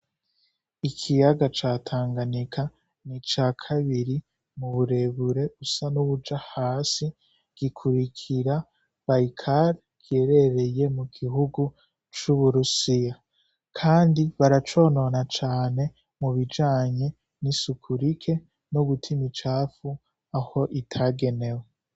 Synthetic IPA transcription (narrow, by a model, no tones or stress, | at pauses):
ikʰijaɡat͡ʃaːtʰaːŋɡanikʰa | nit͡ʃaːkʰaβiɾi | muβuɾe̞βuɾe̞usanuβud͡ʒahaːsi | ɡ̥ikʰuɾikʰiɾa | βaikʰaɾ | ke̞ɾe̞ɾe̞je̞muɡiɦuɡu | t͡ʃuβuɾusija | kʰaːndiβaɾat͡ʃo̞ːno̞nat͡ʃaːne̞ | muβid͡ʒaːɲe̞ | nisukʰuɾikʰe̞ | noβutʰimit͡ʃaːfu | aho̞ʔitʰaɡe̞ne̞we